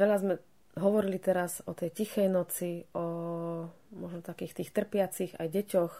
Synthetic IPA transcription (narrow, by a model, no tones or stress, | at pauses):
ʋɛʎazmɛ | ɦɔʋɔɾilit̪ɛɾazɔt̪ɛjcixɛjnɔt͡siɔ | mɔʒnɔt̪akiːxt̪iːxt̪r̩pɪat͡siɣa̰jɟɛcɔx